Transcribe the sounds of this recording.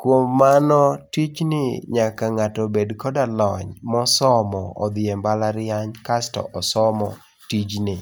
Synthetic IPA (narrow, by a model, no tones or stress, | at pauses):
kwomːanɔtit͡ʃnɪɲakaŋatɔbedkɔdalɔɲmɔsɔmɔɔ̰d̪ɪembalaɾɪaɲkastɔ̰ʔɔsɔmɔ | tid͡ʒnɪ